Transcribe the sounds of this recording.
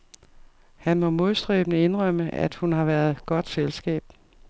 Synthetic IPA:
hænmɒ̽mo̝ðˠsd̥ʁɛ̰ːb̥nəe̝nʁɶm̰əæ̰d̥hunɦɑ̈ʋæɐðˠɡ̥ɒ̽d̥selsɡ̥ɛ̰ːb̥̚

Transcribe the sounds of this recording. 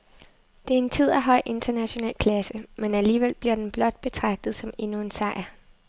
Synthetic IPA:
d̥e̝æɐe̝nt͡sʰið̞̰ˠæɦɒ̽ɪ̰ʔe̝nd̥ɐnæɕo̝nɛ̰ːlkʰlæsəmenæliːʋel̰b̥liɐ̰d̥enb̥lɒ̽d̥̚b̥e̝t͡sʰʁɑ̈ɡ̥̚d̥ð̩ˠsɒ̽me̝nue̝nsɑ̈ɪ̰ɐ

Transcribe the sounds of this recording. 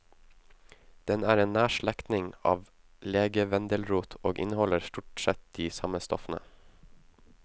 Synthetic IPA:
d̪̥ɛnæːɾeːnnæːʃɭækt̪nɪŋɑ̰ːʋ | leːɡəʋɛnd̪əlɾuːt̪ʰoːɡʔɪ̰nhɔləɾst̪uːʈsɛt̪̚d̪̥iːsɑməst̪ɔfən̩ə̰

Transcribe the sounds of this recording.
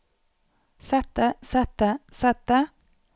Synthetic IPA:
sɛt̪əsɛt̪əsɛt̪ə

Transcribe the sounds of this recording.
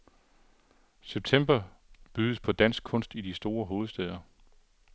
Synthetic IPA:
seb̥̚t͡sʰem̰b̥ɐ | b̥yðˠəspʰɒ̽d̥æn̰sɡ̥̚kʰɔ̽n̰sd̥idisd̥o̝ːɐɦo̝ːð̞̩ˠsd̥ɛːð̞ˠɐ

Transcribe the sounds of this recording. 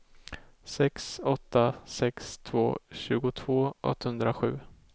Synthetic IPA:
sɛksɔt̪ːasɛkst̪ʰv̥oːɕʉ̟ːɡʊt̪ʰvoːʔɔ̰t̪ːhɵnd̪ɾaɧʉ̟ː

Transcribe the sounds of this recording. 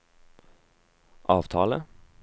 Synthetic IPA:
ʔɑːʋt̪ʰɑ̰ːlə

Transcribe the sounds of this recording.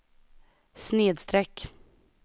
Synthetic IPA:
sneːd̪st̪ɾɛkː

